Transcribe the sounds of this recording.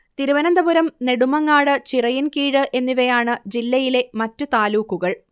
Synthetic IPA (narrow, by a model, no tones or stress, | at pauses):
t̪iɾuʋɐnɐnd̪ɐbuɾɐmne̞ɽumɐŋːaːɽɨt͡ɕirɐjinkiːɽɨʔe̞nːiʋɐjaːɳɨd͡ʑilːɐjile̞mɐtːut̪aːluːkːuɣɐɭ